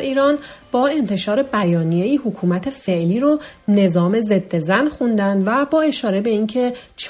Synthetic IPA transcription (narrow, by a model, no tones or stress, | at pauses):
iːɾɒːnb̥ɒːe̞nt̪ʰe̞ʃɒːɾe̞bæjɒːnije̞iːhokʰuːmæt̪ʰe̞fe̞ʔliːɾone̞zɒːme̞ze̞d̪ːe̞zænxund̪ænd̪væbɒːe̞ʃɒːɾe̞be̞iːncʰe̞t͡ʃʰ